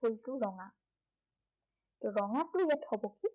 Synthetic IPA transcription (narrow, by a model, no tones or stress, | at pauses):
oltʊɹɔŋa | ɹɔŋatʊjɛtʰɔbɔki